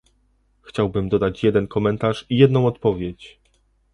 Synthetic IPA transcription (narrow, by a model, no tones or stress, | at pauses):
xt͡ɕawbɘmd̪ɔd̪at͡ɕjɛd̪ɛnkɔmɛnt̪aʂijɛd̪nɔ̃w̃ɔt̪pɔvʲjet͡ɕ